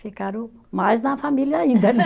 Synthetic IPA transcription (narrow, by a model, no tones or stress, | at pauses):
ekaɾu | maːznãːfʰãmiljaĩːnd̪ʱən